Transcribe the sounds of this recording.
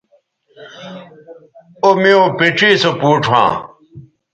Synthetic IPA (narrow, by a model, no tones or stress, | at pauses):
omiõpeʈ͡ʂiːsopuːʈ͡ʂʰwã̰ː